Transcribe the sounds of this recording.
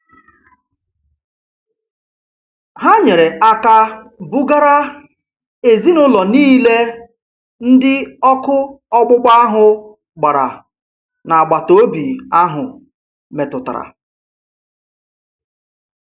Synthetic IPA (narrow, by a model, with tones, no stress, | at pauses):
ɦa˦ɲe˨ɾe˨ʔa˦ka˦bʊ˦ɡa˦ɾa˦ | e˨zi˦nʊ˦lɔ˨niː˦le˦ | n̩˦dɪ˦ɔ˦kʊ˦ | ɔ˦ɡ͡bʊ˦ɡ͡ba˦a˦ɦʊ˨ | ɡ͡ba˨ɾa̰˨ | na˨a˨ɡ͡ba˨to˦bi˨a˦ɦʊ˨ | me˨tʊ˨ta̰˨ɾa̰˨